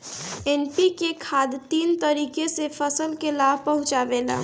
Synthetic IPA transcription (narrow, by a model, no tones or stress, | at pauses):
enpikekʰad̪t̪int̪əɾikesepʰəsəlkelabʱpəɦũt͡ʃabela̰